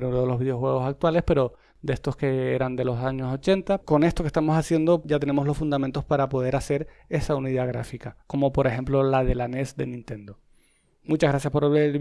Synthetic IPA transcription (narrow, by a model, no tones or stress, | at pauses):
ɾunoðelo̞zβiðeo̞xwe̞ɣ̞o̞sak̚t̪wale̞spe̞ɾo̞ | d̪e̞st̪o̞ske̞eɾand̪e̞lo̞saɲo̞so̞t͡ʃe̞nt̪ako̞ne̞st̪oke̞st̪amo̞sasje̞nd̪o̞ʝat̪ene̞mo̞zlo̞sfund̪amẽnt̪ospaɾapo̞ð̞e̞ɾase̞ɾ | e̞sauniðaɣ̞ɾa̰fikako̞mo̞po̞ɾe̞xe̞mplo̞laðe̞lane̞sd̪e̞̰nĩnt̪ẽ̞nd̪o̞ | mut͡ʃazɣɾasjaspo̞ɾaβe